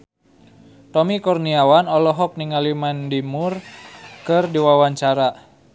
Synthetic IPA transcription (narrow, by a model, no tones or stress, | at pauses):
t̪ɔmikɔrniawanɔlɔɦɔk̚niŋalimandimurkɨrdiwawaɲt͡ʃaɾa